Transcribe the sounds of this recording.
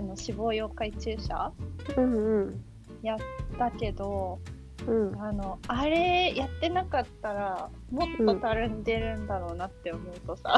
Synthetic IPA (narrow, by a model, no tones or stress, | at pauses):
ano̞ɕibo̞ːjo̞ːkait͡ɕɨːɕa̰ɯ̃ɴ | jatt̪ːake̞d̪õ̞ | ɴano̞aɾe̞jat̪ːe̞nakat̪ːaɾa | mo̞t̪ːo̞t̪aɾɯ̟nd̪e̞ɾɯ̟̃nd̪aɾo̞ːnat̪ːe̞omo̞ɯt̪o̞sa̰